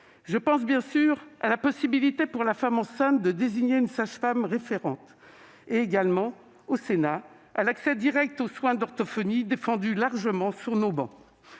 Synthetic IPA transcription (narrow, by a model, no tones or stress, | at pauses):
ʒəpɑ̃s̬bjɛ̃syʁa̰lapɔsibilit̪epuʁlafamɑ̃sɛ̃t̪̚d̪əd̪eziɲeynsaʃfamʁefeʁɑ̃t̪ | eːɡalmɑ̃ | osena | alaksɛd̪iʁɛk̚t̪oswɛ̃d̪ɔʁt̪ɔfɔnid̪efɑ̃d̪ylaʁʒəmɑ̃syʁnobɑ̃